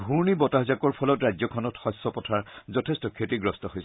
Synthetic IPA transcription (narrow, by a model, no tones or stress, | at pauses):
bʱuɹnibɔtaɦzakɔɹpʰɔlɔtɹajzɔkʰɔnɔtxɔsːɔpɔtʰaɹzɔtʰestɔkʰetiɡɹɔstɔɦojs